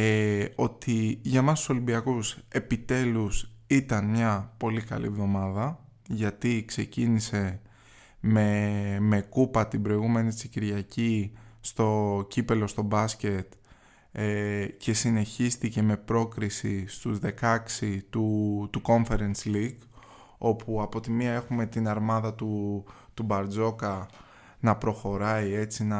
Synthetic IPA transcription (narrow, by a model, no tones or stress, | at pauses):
eo̞t̪iʝɐmɐst̪u̥so̞limbiɐkuse̞pit̪e̞lusit̪ɐnmɲɐpo̞likɐ̰lḭevðo̞mɐðɐ | ʝɐt̪ikse̞cinise̞ | meme̞kupɐt̪ibɾo̞iɣume̞nit͡siciɾʝɐcist̪o̞cipe̞lo̞st̪o̞bɐsce̞t̪ | ece̞sine̞çist̪ice̞me̞pɾo̞kɾisist̪uzðe̞kɐksit̪ut̪uko̞ɱfe̞ɾensliɡ | o̞puɐpo̞t̪imiɐe̞xume̞t̪inɐɾmɐðɐt̪u | t̪ubɐɾd͡zo̞kɐ | nɐpɾo̞xo̞ɾɐie̞t͡sinɐ